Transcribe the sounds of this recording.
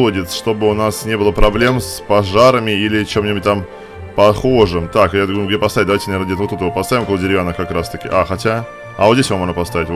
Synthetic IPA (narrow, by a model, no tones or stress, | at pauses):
lˠədʲɪt̪sʂt̪o̞bɨʊnasnʲe̞bɨlˠəpɾɐblʲe̞mspɐʐaɾəmʲɪilʲɪt͡ɕemːnʲɪbɨt̚ʲt̪am | pɐxo̞ʐɨmt̪akjaɡɡdʲepɐst̪avʲɪtd̪ɐajtʲɪnɐeɾnədʲet̪vot̪ɛt̪əvəpɐst̪avʲɪmkolˠədʲɪɾʲɪvʲanəkɐkɾast̪əkʲɪ̰ʔaxɐtʲa | ɐvot̪zdʲesvamoʐnəpɐst̪avʲɪtʲv